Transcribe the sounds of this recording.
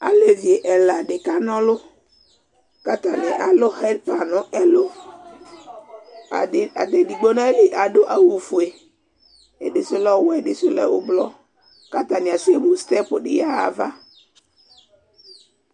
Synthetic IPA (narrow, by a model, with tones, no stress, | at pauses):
a˨le˨vi˨e˨ʔɛ˨la˨ɖe˨ka˦nɔ̃˦lʊ˦ | ka˦t̪a˨nɪ˨ʔa˨lʊ˦hɛ˦dpa˨nɔ̃˦ɛ˦lo˦˨ | a˨d̪e˨di˨ɡ͡bo˦nã˦e˦le˨ʔa˨ɖo˦ʔa˦wu˨fu˨e˨ | e˨ɖe˨sʊ˦lɔ˦wɛ˦˨ɖɪ˨sʊ˦lɛ̰˦wo̰˨blɔ˦ | ka˦t̪a˨ni˨a˨se˦mu˨st̪ɛ˦pʊ˨ɖɪ̰˨ja˦a̰˨va˦